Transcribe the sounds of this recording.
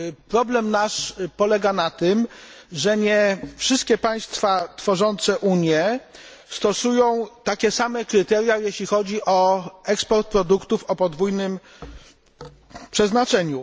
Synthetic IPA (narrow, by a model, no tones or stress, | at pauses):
pɾɔblɛmnaʂpɔlɛɡanat̪ɘmʐɛɲɛfʂɘst̪̚kʲɛpaj̃st̪fat̪fɔʐɔnt̪sɛʔuɲjɛ | st̪ɔsujɔ̃w̃t̪akʲɛsamɛkɾɘt̪ɛɾjajeɕlʲixɔd͡ʑiʔɔɛkspɔɾt̪̚pɾɔd̪ukt̪ufɔpɔd̪vujnɘm | pʂɛznat͡ʂɛɲu